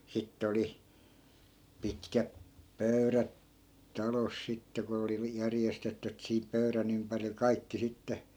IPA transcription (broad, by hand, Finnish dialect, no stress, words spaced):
sitː oli pitkæp pøyræt tɑlos sitːe ko oli ʋi jærjestetːy etːæ̆ sihip pøyræn ympæril kɑikːi sitːe